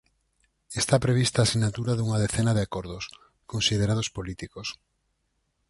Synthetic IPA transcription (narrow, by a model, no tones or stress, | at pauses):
est̪apɾeβ̞ist̪aːsinat̪uɾaðuŋaðeθenaðeakoɾðos | konsið̞eɾað̞ospolit̪ikos